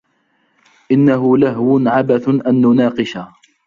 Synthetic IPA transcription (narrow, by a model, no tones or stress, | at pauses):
ʔɪnːaɦʊlaɦwʊnʕabaθʔanːʊnɑːqɨʃa